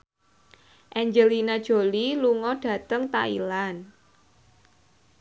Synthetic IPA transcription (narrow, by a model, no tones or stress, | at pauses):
ʔɛɲd͡ʒəlinad̥ʒ̥o̤liluŋɔɖ̥ä̤t̪əŋt̪a̰ḭlan